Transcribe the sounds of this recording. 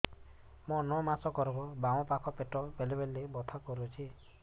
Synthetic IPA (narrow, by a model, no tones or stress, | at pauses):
monɔmasɔkɔɾbɔbawɔ̃pakʰɔpeʈɔbelebelːebɔt̪ʰakɔɾut͡ʃʰi